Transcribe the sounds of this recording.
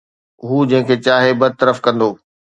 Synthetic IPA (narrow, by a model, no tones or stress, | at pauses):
ɦuːd͡ʑɐ̃ɦɪ̃kʰet͡ɕaːɦebɐd̪̚t̪əɾəfkɐ̃nd̪oː